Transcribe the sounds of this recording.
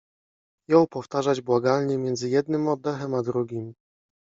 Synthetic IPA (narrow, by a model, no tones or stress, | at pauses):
jɔ̃w̃pɔft̪aʐad͡ʑbwaɡalɲɛmʲjɛnd̪zɘjɛd̪nɘmɔd̪ːɛxɛmad̪ɾuɡʲim